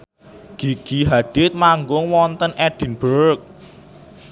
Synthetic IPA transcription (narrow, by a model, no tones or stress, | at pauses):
ɡ̥i̤ɡ̥iɦaɖ̥ɪt̪̚maŋɡʊŋwɔnt̪ənʔɛɖ̪̥i̤nb̥əɾk̚